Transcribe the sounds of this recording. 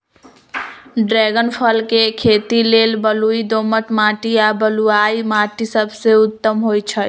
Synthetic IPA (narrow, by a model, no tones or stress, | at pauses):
ɖɾɛːɡənpʰəlkekʰeːt̪ileːlbəluid̪oːməʈmaːʈiabəluaːimaːʈisəbʱseʊt̪ːəmɦoːjt͡ʃʰə